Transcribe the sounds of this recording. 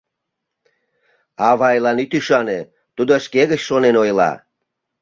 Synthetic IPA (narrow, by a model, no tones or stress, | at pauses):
ɑβɑjlɑnit̪yʃɑne | t̪ud̪oʃkeɣət͡ɕʃonenojlɑ̰